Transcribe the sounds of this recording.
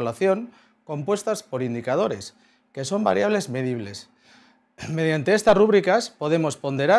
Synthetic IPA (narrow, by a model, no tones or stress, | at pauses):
laθjo̞ŋ | ko̞mpwe̞st̪aspo̞ɾind̪ikað̞o̞ɾe̞s | ke̞so̞mba̰ɾjaβle̞zmeðiβ̞les | me̞ð̞jant̪e̞est̪asruβ̞ɾikaspoð̞e̞mo̞spo̞nd̪e̞ɾa